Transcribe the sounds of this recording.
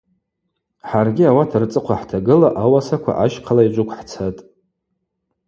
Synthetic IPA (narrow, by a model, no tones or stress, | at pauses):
ħarɡʲɪawatʰart͡sʼɨqʷʰaħtʰaɡɨlaʔawasakʷʰa̰ʔaʃqʰalaid͡ʒʷʼʊkʷʰħt͡sʰatʼ